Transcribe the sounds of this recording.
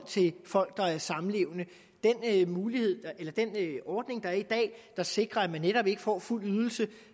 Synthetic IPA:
t͡sʰe̝lfɒ̽l̰ɡ̥̚d̥ɑ̈æɐsɑ̈m̩le̝ʊnə | d̥enmuːlihe̝ð̞̰ˠelɐd̥enɒːd̥ne̝ŋd̥ɑ̈æɐid̥ɛ̰ːd̥ɑ̈se̝ɡ̥ʁɐæ̥mænːeɾɒ̽b̥e̝ɡ̥əfɒ̰ːful̰yð̞ˠl̩sə

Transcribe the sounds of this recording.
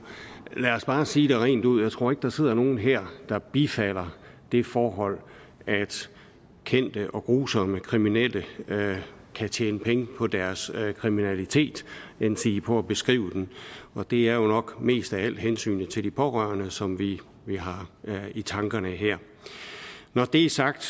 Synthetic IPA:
læɒsb̥ɑ̈ːsiːɾ̥e̝ʁɛ̰ːnd̥uð̞̰ˠjäɪt͡sʰʁo̝ɐe̝ɡ̥əd̥ɑ̈se̝ð̞̰ˠɐno̝ːn̩ɦeɐ̰d̥ɑ̈b̥ifæl̰ɐ | d̥e̝fɒːɦɒ̽l̰ | æd̥ | kʰen̰d̥əʔɒ̽ɡ̥ʁuːsɒ̽məkʰʁiminel̰ə | kʰæt͡ɕʰeːnəpʰeŋəpʰɒ̽d̥æɐskʰʁiminælit͡sʰe̝̰ːd̥ensʰiipʰɒ̽æb̥e̝sɡ̥ʁḭːʊd̥enɒ̽d̥e̝æɐjo̝nɒ̽ɡ̥me̝̰ːsd̥ææl̰d̥ɦensy̰ːnət͡sʰe̝ld̥ipʰɒ̽ʁɶ̰ɐnəsɒ̽mʋi | ʋeɦɑ̈it͡sʰɑ̈ŋɡ̥ɐnəɦeɐ̰ | nɒd̥e̝æsɑ̈ɡ̥̚d̥

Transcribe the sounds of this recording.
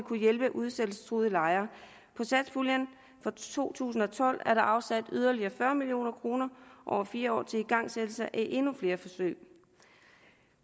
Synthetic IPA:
kʰujelb̥əʔuðˠsed̥l̩sə̥t͡sʰʁuðˠəlɑ̈ɪɐː | pʰɒ̽sæ̥sfuljən | fɒ̽t͡sʰo̝̰ːt͡sʰṵːsn̩ɒ̽t͡sʰɒ̽l̰æɐɾɑ̈ʔɑ̈ʊsæd̥yð̞ˠɐliɐfɶɐmilio̝̰ːnɐkʰʁo̝ːnɐʔɒ̰ʊɐfiːɐɒ̰ːt͡sʰe̝iɡ̥ɑ̈ŋ̰sed̥l̩sɑʔæʔe̝nufle̝ːɐfɒ̽sø̰ɪ̰

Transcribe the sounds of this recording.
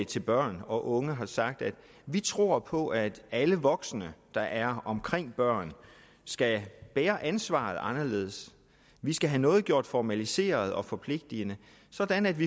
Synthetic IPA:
t͡sʰe̝lb̥ɶɐ̰nɒ̽ʔɔ̽ŋəɦɑ̈sɑ̈ɡ̥̚d̥æd̥ | ʋit͡sʰʁo̝ɐ̰pʰɒ̽ʔæd̥æləʋɒ̽ɡ̥snəd̥ɑ̈ʔæɐɒ̽mkʰʁeŋ̰b̥ɶɐ̰n | sɡ̥æb̥eːɐʔænsʋɑ̰̈ːð̞̩ˠɑ̈nɐle̝ːð̞̩ˠs | ʋisɡ̥æɦænɔ̽ːð̩ˠɡ̥jo̝ɐ̰d̥fɒmælise̝̰ːɐð̞̩ˠɒ̽fɒ̽pʰle̝ɡ̥̚d̥inə | sɒ̽d̥ænæd̥ʋi

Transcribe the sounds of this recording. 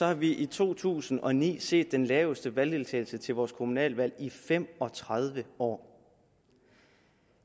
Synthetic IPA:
sɒ̽hɑ̈ʋiʔit͡sʰo̝̰ːt͡sʰṵːsn̩ɒ̽nḭːse̝̰ːd̥ːenlɛːʊəsd̥əʋæld̥e̝lt͡sʰɛ̰ːɪl̩sət͡sʰe̝lʋɒːskʰo̝munɛ̰ːlʋæl̰ifem̰ɒ̽t͡sʰʁað̞ˠʋəɒ̰ː

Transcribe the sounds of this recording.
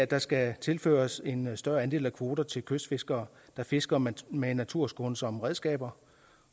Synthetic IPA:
æd̥ɑ̈sɡ̥æt͡sʰe̝lfø̰ːɐse̝nsd̥ɶɐænd̥e̝ːlækʰʋo̝ːd̥ɐt͡sʰe̝lkʰøsd̥fe̝sɡ̥ɐː | d̥ɑ̈fe̝sɡ̥ɐmenːæt͡sʰuɐ̰sɡ̥o̝nsɒ̽mʁɛðˠsɡ̥ɛ̰ːb̥ɐ

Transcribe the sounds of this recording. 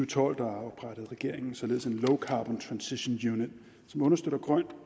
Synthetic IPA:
ut͡sʰɒ̰l̰d̥ɑɑ̈ʊb̥ʁaɾ̥əð̞̩ˠʁɛɡ̥e̝ɐ̰e̝ŋn̩sɒ̽le̝ðˠse̝nloʊkʰɑ̈ːb̥ɒ̽nt͡sʰʁɑ̈nsiɕo̝njuːned̥ | sɒ̽mɔ̽nɐsd̥ød̥ɐɡ̥ʁɶn̰

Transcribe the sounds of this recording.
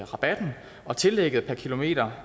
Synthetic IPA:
ʁɑ̈b̥æd̥n̩ | ɒ̽t͡sʰe̝lːeɡ̥əð̞̩ˠpʰækʰilo̝me̝̰ːd̥ɐ

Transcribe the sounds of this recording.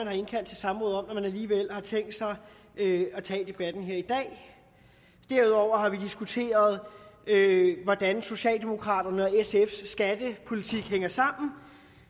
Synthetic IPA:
ænhɑ̈e̝nkʰæl̰d̥t͡sʰe̝lsɑ̈mʁɔ̽ːðˠɒ̽mnɒmænæliːʋel̰hɑ̈t͡sʰeŋ̰ɡd̥sɑ̈ɪ | øæt͡sʰɛ̰ːd̥e̝b̥æd̥n̩ɦe̝ɐ̰id̥ɛ̰ː | d̥æɐuð̞ˠɒʊ̰ɐɦɑ̈ʋid̥isɡ̥ut͡sʰe̝̰ːɐð̞ˠøʋɒd̥ænso̝ɕɛ̰ːld̥e̝mo̝kʰʁɑ̰̈ːd̥ɐnəɒesefsːɡ̥æd̥əpʰo̝lit͡sʰiɡ̥heŋ̰ɐsɑ̈m̰n̩

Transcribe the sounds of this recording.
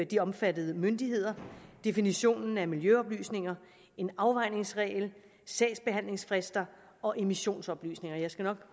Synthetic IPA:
d̥iɒ̽mfæd̥ð̞̩ˠəmønd̥iɦe̝ð̞̰ˠɐd̥e̝finiɕo̝̰ːnn̩æmiljøɒ̽b̥ly̰ːsne̝ŋɐ | e̝nɑ̈ʊʋɑ̈ɪ̰ne̝ŋsʁɛ̰ːɪl | sɛ̰ɪsb̥e̝ɦæn̰le̝ŋsfʁɛsd̥ɐ | ɒ̽ʔe̝miɕo̝̰ːnsɒ̽b̥ly̰ːsne̝ŋɐjɑ̈ɪsɡ̥ænɒ̽ɡ̥

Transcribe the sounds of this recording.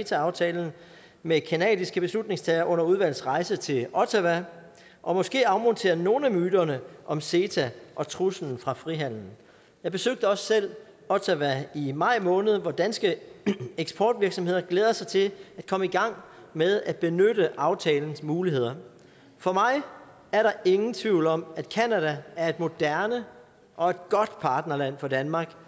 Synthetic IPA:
t͡sʰæɑ̈ʊt͡sʰɛːln̩ | mekʰænɛ̰ːdˠisɡ̥əb̥e̝slud̥̚ne̝ŋst͡sʰɛːɐʔɔ̽n̰ɐuðˠʋæl̰sʁɑ̈ɪsət͡sʰe̝lɒ̽t͡sʰæʋæ | ʔɒ̽mɒ̽sɡ̥e̝̰ːɑ̈ʊmɔ̽nt͡sʰe̝̰ːɐno̝ːn̩æmyːdɐnəʔɒ̽mse̝t͡sʰæʔɒ̽t͡sʰʁusn̩fʁɑ̈fʁiɦæn̰n̩ | jɑ̈ɪb̥e̝søɡ̥̚d̥əɒ̽ssel̰ | ɒ̽t͡sʰæʋæimɑ̈ɪ̰mɔ̽ːnəð̞̩ˠʋɒd̥ænsɡ̥əeɡ̥sb̥ʰɒ̰ːd̥ʋiɐɡ̥sɒ̽mhe̝ð̞̰ˠɐɡ̥leːð̞ˠɐsɑ̈ɪt͡sʰe̝læd̥̚kʰɒ̽məiɡ̥ɑ̈ŋ̰ | með̞ˠæd̥̚b̥e̝nøɾəʔɑ̈ʊt͡sʰɛːln̩smuːliɦe̝ð̞̰ˠɐ | fɒ̽mɑ̈ɪ | æɐɾɑ̈ʔe̝ŋn̩t͡sʰʋiʊ̰lɒ̽mæd̥kʰænæɾ̥ææɐe̝d̥̚mo̝d̥æɐnə | ʔɒ̽e̝d̥̚ɡ̥ɒ̽d̥pʰɑ̈ːd̥nɐlæn̰fɒ̽d̥ænmɑ̈ːɡ̥

